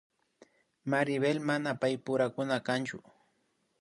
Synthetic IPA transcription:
maɾɪbelmanapajpʊɾakʊnakant͡ʃʊ̰

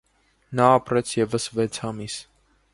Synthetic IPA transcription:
nɑːpɾɛt͡sʰjɛvəsvɛt͡sʰhɑmis

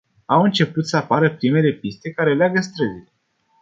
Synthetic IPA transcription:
awɨnt͡ʃe̞put̪səapaɾəpɾime̞le̞pist̪e̞kaɾe̞leaɡəst̪ɾəzil

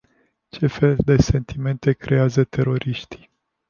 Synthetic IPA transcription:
t͡ʃe̞fe̞ld̪e̞se̞nt̪ʰime̞nt̪e̞kɾʔe̞azət̪ʰe̞ɾo̞ɾʔiʃt̪i̥

